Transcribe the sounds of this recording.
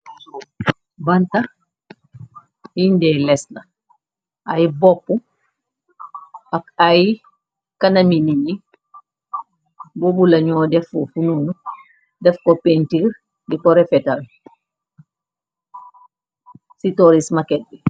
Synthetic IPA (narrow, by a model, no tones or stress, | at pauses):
bɐnta | indɛlɛslɐ | ajibɔpːu | akaji | kɐnɐminiɲi | bobulɐɲɔːdɛfufununu | dɛfkɔpɛntir | dikɔɾɛfɛtal | sitɔɾismakɛt̚bɛ